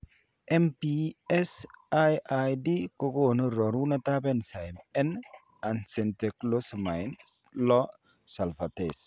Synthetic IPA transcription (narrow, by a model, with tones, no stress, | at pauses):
ʔɛ˦mpiɛsajʔajdi˦ko˦ɡonu˦ɾɔ˨ɾu˦nɐ˦t̪a˦bɛnsa˨jmɛ˦n | ansɛ˨nte˨klo˦sma˨jn | lɔ | sa˨lfates